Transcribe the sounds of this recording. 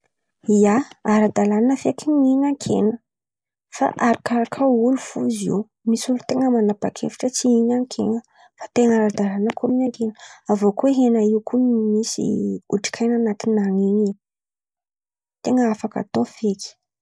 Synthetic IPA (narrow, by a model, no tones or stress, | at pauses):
ijaaɾad̪alananəfekiɲiɲaŋkʰḛnə | fa̰ʔaɾikaɾakʰaulufuzḭw | misulut̪eŋəmanapakʰḛfi̥ʈ͡ʂət͡siiɲaŋkʰeŋə | fḁt̪eŋaɾad̪alanəkʰominaŋkʰenəavokueɦenaiwkʰunimisḭuʈ͡ʂi̥kʰajnanat̪inaŋiɲi | t̪eŋəafaka̰t̪ofeki̥